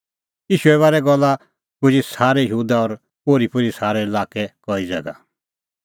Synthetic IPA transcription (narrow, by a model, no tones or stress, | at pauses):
jiːʃuɛβaːɾɛɡɔlːa | kʊd͡ʒisaːɾɛjɦuːd̪aɔɾ | poːɾipʊɾisaːɾɛɪlaːkɛkɔid͡zɛ̰ɡa̰